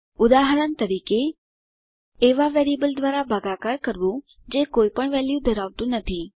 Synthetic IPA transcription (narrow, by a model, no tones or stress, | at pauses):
ʊd̪aɦəɾəɳt̪əɾike | ʋaʋeɾibəld̪ʋaɾabʱaɡakaɾkəɾʋũ | d͡ʒekoipəɳʋɛljud̪ʱəɾaʋt̪ũnət̪ʰi